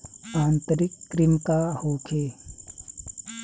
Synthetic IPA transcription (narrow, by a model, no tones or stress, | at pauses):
ãːnt̪əɾɪkːɾɪmkahoːkʰeː